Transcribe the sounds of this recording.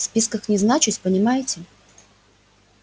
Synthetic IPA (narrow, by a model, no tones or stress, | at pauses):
spʲiskəxnʲɪznat͡ɕɪtʲpənʲɪmajɪtʲɪ